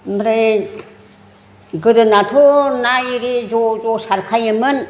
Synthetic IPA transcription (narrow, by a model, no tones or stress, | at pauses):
mbɾe | ɡɯdɯnatʰonaiɾizozosaɾkʰajɯmɯn